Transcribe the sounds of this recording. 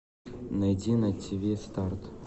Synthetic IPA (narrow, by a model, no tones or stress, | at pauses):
nɐjdʲinɐtʲʰːɪbʲest̪art̪